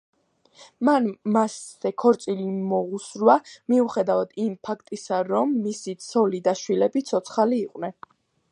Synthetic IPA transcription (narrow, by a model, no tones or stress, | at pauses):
manmasːɛkʰɔɾt̪sʼilimɔʁusɾwamiuχɛd̪avad̪̥impʰakʰt̪ʼisaɾɔmːisit̪sʰɔlid̪aʃwilɛbit̪sʰɔt̪sʰχaliːqʼwnɛn